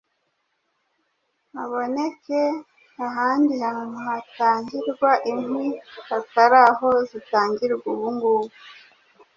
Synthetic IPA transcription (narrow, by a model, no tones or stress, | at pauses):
aβo̞neke | aɦaːndihamunuhataːɲɟiɾɡwaʔimwihataɾaɦo̞zitaːɲɟiɾɡuβuŋɡuβu